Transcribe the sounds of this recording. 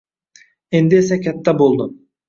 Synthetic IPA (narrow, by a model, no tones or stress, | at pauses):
end̪ɪesɛkʲʰæt̪ːæbolˠd̪ʊ